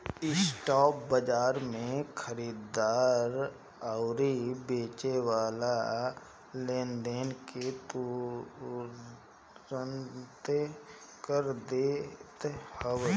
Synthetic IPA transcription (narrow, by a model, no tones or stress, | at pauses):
ɪsʈɔːp̚bəd͡ʒaːɾmẽkʰəɾiːd̪aːɾ | əʊɾibeːt͡ʃewaːla | lẽːnd̪eːnket̪u | ɾənt̪ | kəɾd̪eːt̪həw